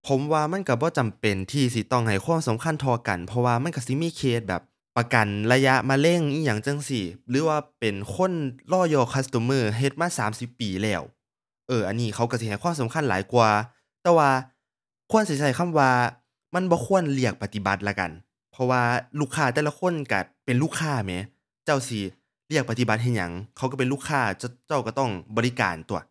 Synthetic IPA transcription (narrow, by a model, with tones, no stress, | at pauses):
pʰo˨˦mwaː˧ma˧˥˨nka˧˩bɔː˧˦t͡ɕa˨˩mpe˨˩nt̪ʰiː˧si˧˦t̪ɔ˧˩ŋɦa˨˩jkwaː˥˨msa˨˦mkʰa˧˥˨nt̪ʰɔː˧ka̰˨˩npʰɔ˧waː˧ma˧˥˨nka˧˩si˧˦miː˧˥˨kʰeː˧˩t̪̚bɛ̰ː˨˩p̚ːa˧ka˨˩nla˧ja˧˥ʔmaː˧le˧˨ŋʔiː˧˩ja˨˩ŋt͡ɕɤ˧˨ŋsi˧˩lɯː˨˦waː˧pe˨nkʰo˧˥˨nlɔː˧˩jɔː˧˩kʰa˧˥st̪o˧˦mɤː˧˩ɦe˧˦t̪̚maː˧˥˨saː˨˦msi˧˦pːiː˨˩lɛː˧˩w | ʔɤː˧˩ʔa˨˩nːiː˧˩kʰa˧˩ka˧˩si˧˦ha˨˩jkʰwaː˧˥˨sa˨˦mkʰa˧˥˨nlaː˨˦jku˧ɐ | t̪ɛː˧waː˧ | kʰu˧˥ə˨nsi˩˧˦t͡ɕa˧˩˦jkʰa˧˥˨mwaː˧ | ma˧˥˨nbɔː˧˦kʰu˧˥˨ənli˧˩ɐk̚pa˧t̪i˧˦ba˧˦t̪̚la˧˩ka̰˨˩n | pʰɔ˧waː˧luː˧˩kʰːaː˧˩t̪ɛː˧˩la˧kʰo˧˥˨nka̰˧˩pe˨nluː˥˩kʰːaː˧˩mɛː˨˧˦ | t͡ɕa˧˩wsi˧˩ | li˧˩ək̚pa˧t̪i˧ba˧˦t̪̚ɦa˧˩jɲa̰˨˩˦ŋkʰa˧˩wka˧˩pe˨nluː˥˩kʰaː˧˩˧t͡ɕa˧˩wka˧˩t̪ɔ˧˩ŋbɔː˨˦li˦˧˥ka̰ː˨˩nt̪u˧˩ɐ